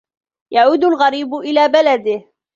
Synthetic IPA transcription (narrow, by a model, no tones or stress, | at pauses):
jʔaʕuːd̪ʊlɣaɾiːbʊʔɪlaːbalad̪ɪh